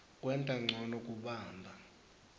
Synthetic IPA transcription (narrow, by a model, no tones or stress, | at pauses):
k̬ʼwɛntʼaŋ͡ǀʱɔnɔkʼuɓaːmbʱa